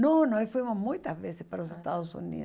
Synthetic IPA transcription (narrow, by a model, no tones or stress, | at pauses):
nõnõfujmʊzmũj̃t̪ɐvesɪspaɾosest̪aðʊsṵnḭ